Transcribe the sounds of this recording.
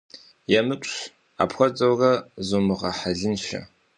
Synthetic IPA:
jɛmɨpʷʼɕ | a̰ːpʰxʷɔd͡zʼɐwrɐzomɨʁɐħaɮɪnʃɐ̰

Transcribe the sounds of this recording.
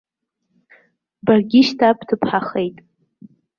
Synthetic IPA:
barɡʲɪʃtʰapʰtʰɨpʰħaχejtʼ

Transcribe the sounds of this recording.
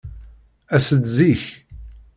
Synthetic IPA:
æsəd̪ziç

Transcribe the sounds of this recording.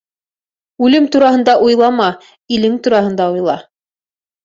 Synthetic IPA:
ʉlɘmt̪uɾɑhɤ̆nd̪ɑʔujlˠɑmɑ | ilɘŋt̪uɾɑhɤ̆nd̪ɑujlˠɑ

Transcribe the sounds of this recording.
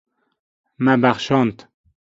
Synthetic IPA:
mæbæχʃɑːnt̪

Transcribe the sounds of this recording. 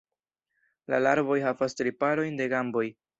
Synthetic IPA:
lalaɾbo̞jɦavastɾipaɾo̞jnde̞ɡambo̞j

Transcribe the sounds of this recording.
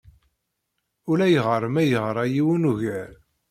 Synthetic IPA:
ʊlæjəʁəɾˤmæjəʁɾˤɑjiwunuʝæɾ

